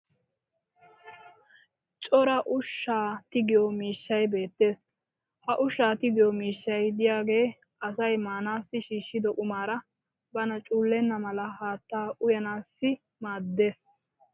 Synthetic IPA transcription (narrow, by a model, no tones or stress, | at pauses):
t͡ʃʼɔɾɐʔʊʃːaːt̪ɪɡɪjɔmiːʃːɐjbe̞ːt̪ːe̞ːs | hɐʔʊʃːaːt̪ɪɡɪjɔmiːʃːɐjd̪ɪjaːɡe̞ː | ʔɐsɐjmaːnaːsːɪʃiːʃːɪd̪ɔʔʊmaːɾɐ | bɐnɐt͡ʃʼuːlːɛnːɐmɐlɐhaːt̪ːaːʔʊjɐnaːsːɪ | maːd̪ːe̞ːs